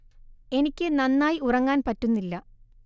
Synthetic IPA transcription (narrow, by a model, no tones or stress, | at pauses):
e̞nikʲːɨnɐnːaːjiurɐŋːaːnpɐtːunːilːɐ